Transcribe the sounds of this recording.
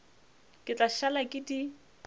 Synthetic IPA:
kʼɪt͡ɬʼaʃalakʼɪdi

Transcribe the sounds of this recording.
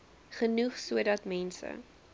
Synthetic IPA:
χənuχsuədɐtmɛnsə̰

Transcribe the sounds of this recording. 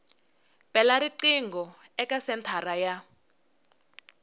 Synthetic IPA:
pʼɛlaɾiǀiŋɡɔ | ɛkasɛntʰaraja

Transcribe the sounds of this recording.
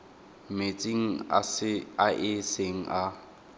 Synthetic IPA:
met͡sʼiŋ̩ | aʔɪseŋ̩ʔa

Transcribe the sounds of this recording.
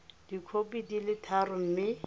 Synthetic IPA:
d̥ikʰopidilɪtʰarʊm̩mɪ

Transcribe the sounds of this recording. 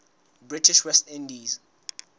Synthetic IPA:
bɹitʰiʃwɛstĩndiz

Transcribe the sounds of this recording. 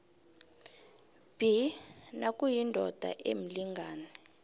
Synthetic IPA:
b̥inakʼujindʱɔd̥ʱa̰ʔem̩liŋɡʱaːnɛ

